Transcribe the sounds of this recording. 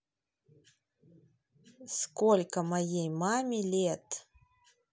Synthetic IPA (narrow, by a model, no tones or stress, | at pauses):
skolʲkəmɐjejmamʲilʲet̪